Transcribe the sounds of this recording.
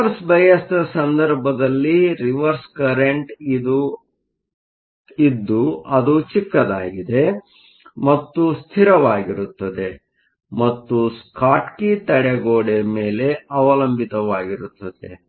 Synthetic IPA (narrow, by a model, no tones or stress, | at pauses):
ɾsbʱɐjɐst̪ɐsɐnd̪ɐɾbʱɐd̪ɐlːiɾiʋɐɾskɐɾeɳʈid̪u | id̪ːuɐd̪ut͡ʃikːɐd̪aːɡid̪e̞ | mɐt̪ːust̪ʰiɾɐʋaːɡiɾut̪ːɐd̪e̞ | mɐt̪ːuskʰaːʈkit̪ɐɽeɡoːɽemeːle̞ɐʋɐlɐmbʱit̪ɐʋaːɡiɾut̪ːɐd̪ḛ